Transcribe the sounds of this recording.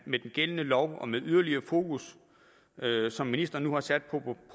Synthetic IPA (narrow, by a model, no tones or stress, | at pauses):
med̥enɡ̥elənəlɒʊ̰ɒ̽meðˠyð̞ˠɐliɐːfo̝ːkʰus | øsɒ̽mːinisd̥ɐnuhɑ̈sæd̥̚pʰɒ̽pʰ